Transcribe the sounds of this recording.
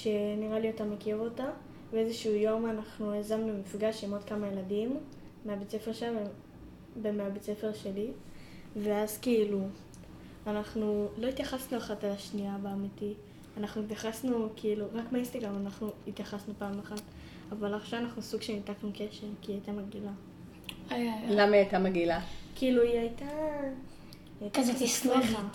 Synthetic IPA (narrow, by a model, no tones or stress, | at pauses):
ʃe̞niʁaliotamekeʁota | beezeʃuujo̞manaχnuezamnumifɡaʃimotkamaje̞ladimː | eabet͡se̞fe̞ʁʃelav | bemeabet͡se̞fe̞ʁʃe̞li | ve̞azkiilu | anaχnulo̞it̪jaχasnuaχatalaʃniabeamiti | anaχnuit̪̬jaχasnukiiluʁakmaist̪aɡamanaχnuit̪jaχasnupaːmaχat | avalaχʃavanaχnusuɡʃenitaknuke̞ʃe̞ʁkiːajtamaɡila | ajajlamaajtamaɡilakiiluiajta | kazot̪ismeχa